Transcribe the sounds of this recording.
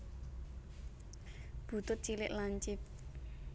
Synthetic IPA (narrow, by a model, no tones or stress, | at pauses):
b̥ṳt̪ʊt̪̚t͡ʃilɪʔlaɲt͡ʃɪp̚